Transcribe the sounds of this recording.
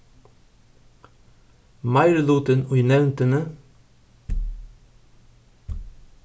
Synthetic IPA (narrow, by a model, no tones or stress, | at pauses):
mɑɪɾəluːt̪ənʉʏnɛʋnt̪ənə